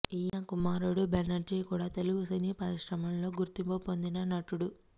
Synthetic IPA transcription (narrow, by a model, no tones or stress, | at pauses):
iːjɐkumaːɾuɽubenɐɾd͡ʒikuːɽaːt̪eluɡusinipɐɾiʃɾɐmɐmlo̞ːɡuɾt̪impopo̞nd̪inɐnɐʈuɽu